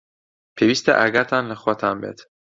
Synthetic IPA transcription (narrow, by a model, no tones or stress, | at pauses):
pʰeviːst̪ḛʔæɡæt̪ʰænlexot̪ʰæmbḛt̪